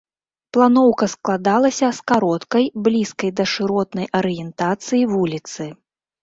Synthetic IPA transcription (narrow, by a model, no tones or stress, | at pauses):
plˠanɔwkɐsklˠad̪alˠɐsʲɐskaɾɔt̪kɐjblʲiskɐjd̪ɐʂɨɾɔt̪nɐjʔɐɾɨjɛnt̪at̪sɨjivulʲit̪sɨ